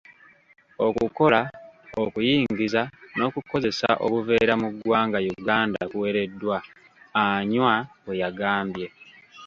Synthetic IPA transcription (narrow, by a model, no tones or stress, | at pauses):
okuko̞laokujiːŋɡizano̞kuko̞ze̞sa̰ʔo̰kuve̞ːɾamuɡwaːŋɡajuɡaːndakuwe̞ɾe̞dːwa | aɲwaejaɡaːmbje̞